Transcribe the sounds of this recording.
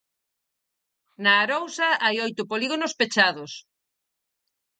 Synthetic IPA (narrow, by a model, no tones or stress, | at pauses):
nɐːɾowsɐajojt̪ʊpoliɣonospet͡ʃaðʊs